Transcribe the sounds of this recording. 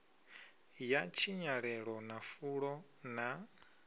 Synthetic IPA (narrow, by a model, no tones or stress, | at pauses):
jat͡ʃʰiɲaɺɛɺɔnafuɺɔ | na